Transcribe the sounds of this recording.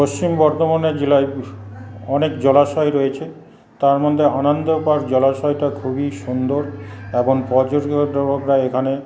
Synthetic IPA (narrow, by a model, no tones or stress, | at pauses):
post͡ɕimbɔɾt̪omaned͡ʑilaj | ɔnekd͡ʑɔlaʃɔjɾojet͡ɕʰe | t̪aɾmɔd̪ʱːeanɔnd̪opaɾd͡ʑɔlaʃɔjʈakʰubiʃund̪oɾeboŋpɔd͡ʑoɾɡod̪ɾokɾaekʰane